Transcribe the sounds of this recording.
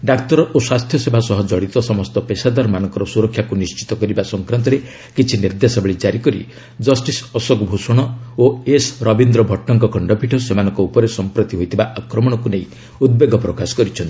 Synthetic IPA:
ɖakt̪ɔɾɔʔoswast̪ʰjɔsebʱasɔɦɔd͡ʒɔɽit̪ɔsɔmɔst̪ɔpesad̪aɾmanɔŋkɔɾɔsuɾɔkʰːjakunist͡ʃi̥t̪ɔkɔɾibasɔŋkɾant̪ɔɾe | kit͡ʃʰiniɾd̪esɔbeɭid͡ʒaɾikɔɾḭ | d͡ʒɔsʈisɔsɔɡbʱusɔɽ̃ɔoesɾɔbind̪ɾɔbʱɔʈːɔŋkɔkʰɔɳɖɔbʱiʈʰɔsemanɔŋkɔupɔɾesɔmpɾɔt̪iɦojt̪ʰibaʔakɾɔmɔɽ̃ɔkuneĩ | ud̪̚beɡɔpɾɔkasɔ̥kɔɾit͡ʃʰɔnt̪i̥

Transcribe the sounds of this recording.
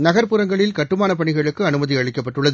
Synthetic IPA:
nɐɣɐɾpɯɾɐŋɡɐɭɪlkɐʈːɯmaːnɐpɐɳɪɣɐɭɯkːɯɐnɯmɐðiɐɻɪkːɐp̬ːɐʈːɯɭːɐð

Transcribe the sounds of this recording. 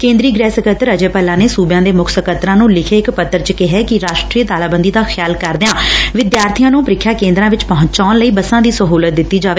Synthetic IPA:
kẽːnd̪ɾiːɡɾɛːsəkət̪əɾəd͡ʒeːpəlãːneːsuːbjãːd̪eːmʊkʰsəkət̪ɾãːnũːlɪkʰeːɪkpət̪ːəɾt͡ʃəkɪɦɛːkɪɾaːʃʈɾiːət̪aːlaːbə̃nd̪iːd̪aːxʰɪjaːlkəɾd̪ɪãːʋɪd̪jaːɾt̪ʰijãːnũːpəɾɪkʰːjaːkẽːnd̪ɾãːʋɪt͡ʃpɔɦʊ̃ɲt͡ʃaːnləiːbəsãːd̪iːsəɦuːlət̪̚d̪ɪt̪ːiːd͡ʒaːʋeː

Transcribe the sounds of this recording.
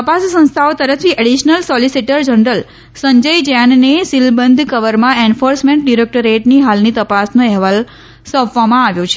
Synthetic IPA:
t̪əpassə̃nst̪ʰaot̪əɾət̪ʰiʔəɽiʃnəlsɔlisiʈəɾd͡ʒənɾəl | səɲd͡ʒəjd͡ʒanːesilbənd̪ʱkəʋəɾmãenfoɾsmẽɳʈ̚ɖiɾek̚ʈəɾeʈniɦalnit̪əpasnoɛɦʋal | sɔpʋamãaʋjõt͡ʃʰe

